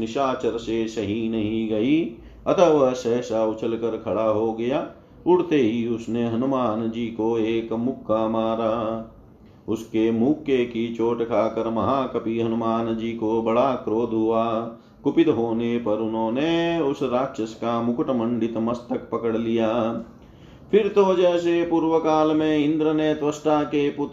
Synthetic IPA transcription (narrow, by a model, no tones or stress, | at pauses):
nɪʃaːt͡ʃəɾsesɐɦinɐɦĩɡɐi | ɐt̪ʰəʋasɛɦsaʊt͡ʃʰəlkəɾkʰɐɽaɦoɡɐjaː | ʊɽt̪eɦiʊsneɦɐnʊmaːnd͡ʒiːkoeːkmʊkːamaːɾaː | ʊskemuːkekit͡ʃoːʈkʰaːkəɾmɐɦaːkɐpiɦɐnʊmaːnd͡ʒiːkobɐɽakɾoːd̪ʱɦʊaː | kʊpɪt̪ɦoːnepɐɾʊnɦõːneʊsɾaːkʃəskamʊkəʈəmə̃ɳɖɪt̪mɐst̪ək̚pɐkəɽlijaː | fʰɪɾt̪od͡ʒɛːsepuːɾwəkaːlmẽɪ̃nd̪ɾəneːt̪ʋəsʈakepʊt̪